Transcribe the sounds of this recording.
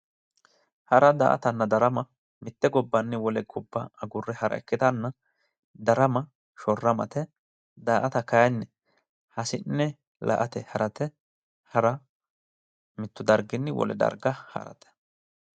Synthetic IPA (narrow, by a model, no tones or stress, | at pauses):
hɐɾɐd̪a̰ːʔɐ̰t̪ɐnːɐd̪ɐɾɐmɐ | mɪt̪ːɛɡɔbːɐnːɛwɔlɛɡɔbːɐɐɡʊrːɛhɐɾɐ̰ɛkːɪt̪ɐnːɐ | d̪ɐɾɐmɐ | ʃɔrːɐmɐ̰t̪ɛ | d̪aːʔɐt̪ɐkɐjɐnːɛ | hɐsɪnːɛ | lɐ̰ʔɐt̪ɛhɐɾɐt̪ɛ | hɐɾɐ | mɪt̪ːʊd̪ɐɾɡɪnːɛwɔ̰lɛ̰d̪ɐ̰ɾɡɐhɐ̰ɾɐ̰t̪ɛ̥